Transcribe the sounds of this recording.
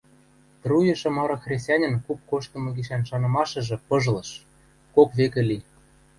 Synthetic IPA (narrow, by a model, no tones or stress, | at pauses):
t̪rujɤ̆ʃɤ̆mɑɾɤ̆xrʲes̬ʲt̪ʲɑnʲɤ̆nkup̚koʃt̪ɤ̆mɤ̆ɡiʃænʃɑnɤ̆mɑʃɤ̆ʒĕpɤ̆ʒlɤ̆ʃ | kokβekĕli